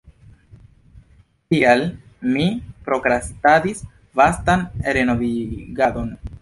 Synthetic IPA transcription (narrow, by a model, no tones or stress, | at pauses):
tial | mipɾo̞kɾastadis | vastanɾeno̞viɡado̞n